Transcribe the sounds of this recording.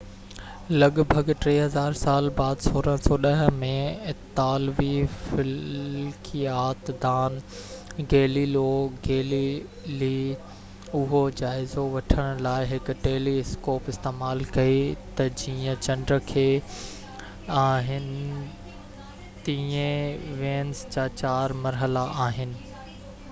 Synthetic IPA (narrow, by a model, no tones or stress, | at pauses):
lɐɡbʱɐɡʈɾeːɦɐzaːɾsaːlbaːd̪soːɾəɦsɔːɗɐɦ̆mẽt̪aːlʋifɪlkʰiaːt̪d̪aːn | ɡeːliloɡeːli | li | ʊɦod͡ʑaːɪzoʋɐʈʰəɽ̃ʊlaːɪɦɪkʊ̆ʈeːliskoːpɪst̪eːmaːlkɐit̪ɐd͡ʑiːə̃t͡ɕɐ̃ɳɖɾəkʰeː | aːɦɪnɪ | t̪iẽʋẽːnsd͡ʑaːt͡ɕaːɾmɐɾɦəlaʔaːɦɪnɪ̆